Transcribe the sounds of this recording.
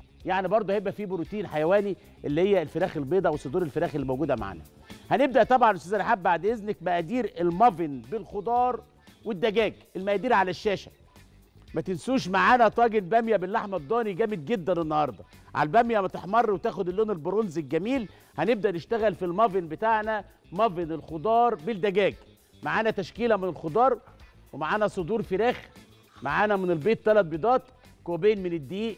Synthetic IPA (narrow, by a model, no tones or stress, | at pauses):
jaʕnibɑɾˤd̪ˤohæebʔæfiːbɾut̪iːnħajæwæːni | ʔelːihejːælfeɾæːxelbeːd̪ɑwesˤod̪uːɾelfeɾæːxelːimowɡuːd̪æma̰ʕa̰ːnæ̰ | hæneb̚d̪æʔt̪ˤɑbʕɑnʔst̪æzælʔaħabːaʕd̪ʔeznek̚mæʔæd̪iːɾelmɑvenbelxod̪ˤɑːɾˤ | wed̪ːæɡæːɡʔelmæʔæːd̪iːɾʕalæʃːæːʃæ | mæt̪ensuːʃmaʕaːnæt̪ˤɑːɡenbæmjæbelːaħmæd̪ˤːɑːniɡæːmed̪̚ɡed̪ːænenːɑhɑɾˤd̪ˤɑʕa̰lbæmjæmæt̪eħmɑrˤːwet̪æːxod̪elːoːnelboɾonzelɡæmiːl | hæneb̚d̪æʔneʃt̪æɣælfilmɑvenbet̪aʕnæ | mɑvenelxod̪ˤɑːɾˤbeld̪æɡæːɡ | maʕaːnæt̪æʃkiːlæmɪnelxod̪ˤɑːɾˤ | wemaʕaːnæsˤod̪uːɾfeɾæːx | maʕaːnæmɪnelbeːt̪ːælæt̪̚bed̪ˤɑːt̪ | kobeːnmened̪ːiːʔ